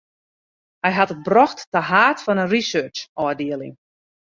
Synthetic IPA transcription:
hɛjɦatət̚brɔxtːəɦaːtfɔnənrisøːt͡ʃɔːdiəlˠɪ̰ŋ

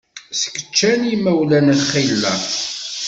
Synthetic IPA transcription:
sə̥kːə̥t͡ʃːænimæwlænəχilːæ

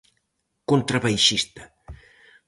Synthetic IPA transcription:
kont̪ɾaβajʃist̪ə̥

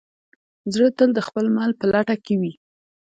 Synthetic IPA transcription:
zɽət̪əld̪əxpəlmɑlpəlaʈakewi

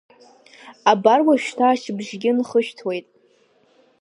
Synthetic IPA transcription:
abarwaʃᶣtʰaːʃbʐɡʲɪnχəʃᶣtʰwe̞jtʼ

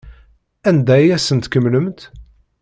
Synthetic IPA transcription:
ænd̪æjæsənt̪kəmːləmt̪

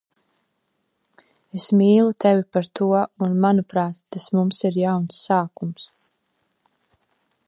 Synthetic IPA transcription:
esmiːlˠut̪ɛvipaɾt̪ʰuɔunmanupɾaːt̪ːasmumsiɾjawnsːaːkums

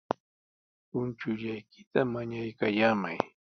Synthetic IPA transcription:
ʊnt͡ʃʊʎajkɪt̪amaɲajkajaːmaj

